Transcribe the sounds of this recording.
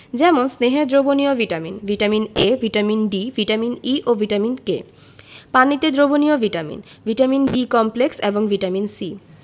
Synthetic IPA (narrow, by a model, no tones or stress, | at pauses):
d͡ʑɛmonsneɦed̪ɾoboniovʱiʈaminvʱiʈaminevʱiʈaminɖivʱiʈaminiʔovʱiʈaminkḛ | panit̪ed̪ɾobonioviʈamḭn | vʱiʈaminbikɔmplekseboŋvʱiʈaminsi